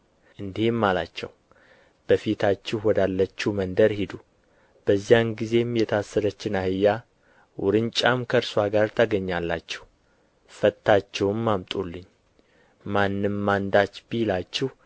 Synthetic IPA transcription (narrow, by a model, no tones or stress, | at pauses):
ʔɨnd̪ihemːala̰t͡ʃːɛ̰w | b̥əfit̪ʰat͡ʃːɪhwɔd̪alːət͡ʃːumənd̪əɾhed̪u | b̥əzːijanɡize̞mjɛt̪ʰasːəɾət͡ʃːɪnahɨjːa | wʊɾɨnt͡ʃʼamkʰəɾswaɡaɾt̪ʰəɡəɲːalːat͡ʃːɛh | fət̪ʰːat͡ʃːɛwmːamt̪ʼulːɨɲː | manːɨmːand̪at͡ʃːbijlat͡ʃːɪh